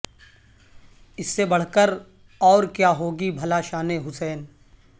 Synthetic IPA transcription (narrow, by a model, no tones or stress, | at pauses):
ɪsːebɐɽ̤kəɾ | ɔːɾkjaːɦoːɡibʱɐlaʃaːneɦʊsɛːn